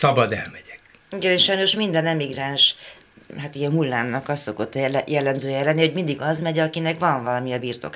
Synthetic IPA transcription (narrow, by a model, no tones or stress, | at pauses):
sɒbɒd̪ɛ̰lmɛɟ̥ɛk | iɡɛneʃɒjno̞ʃmind̪ɛnɛmiɡraːnʃ | ɦat̪ijɛmhulːaːnːɒkɒst̪ːo̞ko̞t̪ːljɛlːɛmzøːjɛɛlɛnːiho̞ɟmind̪iɡɒzmɛɟɒkinɛkʋɒɱvɒlɒmiɒbiːrt̪o̞̰k